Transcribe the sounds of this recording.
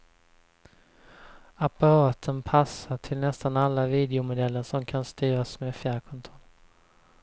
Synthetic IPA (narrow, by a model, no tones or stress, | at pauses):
apaɾɑːt̪ʰənpʰasːaʈʰɪlnɛst̪analːaviːd̪ɛʊmʊd̪ɛlːəʂɔmkʰanst̪yːɾasmeːfjæːɾkʰɔnt̪ʰʊn